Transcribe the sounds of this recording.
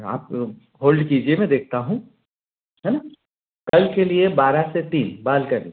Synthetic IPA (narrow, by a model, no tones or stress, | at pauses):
a̰ːp | ɦoːlɖkiːd͡ʒiemɛ̃d̪eːk̚ʰt̪aɦũ | ɦɛːna | kɐlkeliebaːɾaset̪iːnbaːlkɐɾḭ̃